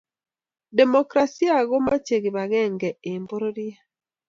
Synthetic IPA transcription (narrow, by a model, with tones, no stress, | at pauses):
de˨mokɾasi˦a˨ɣo˦ma˦t͡ʃe˨ɣi˨βa˨ɣɛ˦ŋɡɛembo˦ɾo˦ɾja˦